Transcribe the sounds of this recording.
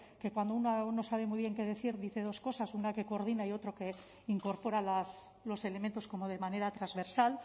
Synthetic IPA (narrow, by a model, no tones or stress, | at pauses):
ke̞kwand̪ounano̞saβ̞e̞mwiβ̞je̞ŋke̞ðe̞θiɾðiθe̞ð̞o̞sko̞sasunake̞koɾð̞inaiot̪ɾo̞ke̞ | iŋko̞ɾpo̞ɾalas | lo̞se̞le̞ment̪o̞sko̞mo̞ð̞e̞mane̞ɾat̪ɾazβe̞ɾsal